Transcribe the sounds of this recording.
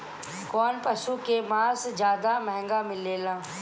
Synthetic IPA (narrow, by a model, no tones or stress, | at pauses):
kɔːnpɐʃukemãːsd͡ʒjaːd̪amɛɦɛ̃ŋɡamɪlːeːlãː